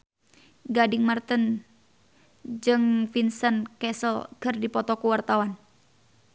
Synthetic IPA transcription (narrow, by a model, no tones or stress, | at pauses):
ɡadɪŋmart̪ən | d͡ʒɨŋfinsənkɛsəlkərdipɔt̪ɔkuwart̪awan